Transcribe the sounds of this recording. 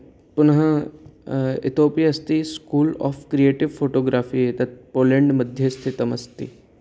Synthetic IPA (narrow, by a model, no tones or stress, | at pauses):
pʊnɦã | ɪ̰t̪ʰoːpijɐst̪iskuːlɔ̰ːfkɾijeːʈɪʋfʰoːʈoːɡɾaːfiet̪ɐt̪̚poːlẽɳɖmɐd̪ʱjest̪ʰit̪ɐmɐst̪ḭ